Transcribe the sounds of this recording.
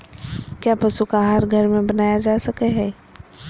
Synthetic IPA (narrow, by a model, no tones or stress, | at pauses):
kjaːpɐsukaɦaːɾɡʱɐɾmẽbɐnaːjad͡ʒaːsɐkeɦɛː